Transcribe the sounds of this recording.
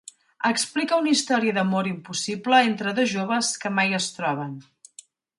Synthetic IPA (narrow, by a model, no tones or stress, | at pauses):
əksplikəunist̪ɔɾiəðəmoɾimpusipləent̪ɾəðoʒoβ̞əskəmajəst̪ɾɔβ̞ən